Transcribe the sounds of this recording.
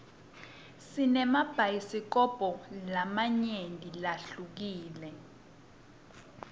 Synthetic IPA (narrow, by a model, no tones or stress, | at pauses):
sinɛmab̥ʱajisik̬ɔb̥ʱɔlamaɲendʱʼilaɬuk̬iːlɛ